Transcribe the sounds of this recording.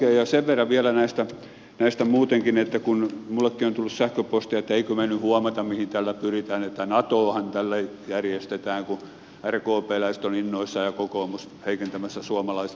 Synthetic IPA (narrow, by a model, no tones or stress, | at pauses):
eːjɑseʋʋerːɑʋiælænæist̪æ | næist̪æmuːt̪eŋkinet̪ːækunmulːekːiont̪ulːussæhkøpost̪iɑet̪ːæeikømænyhuɑmɑt̪ɑmmihint̪ælːæpyrit̪æːnet̪ːænɑt̪oːhɑnt̪ælːæjærjest̪et̪æːŋku | ærkoːpeːlæise̥t̪oninːoisːɑjɑkokoːmus | heikent̪æmæsːæsuɑmɑlɑise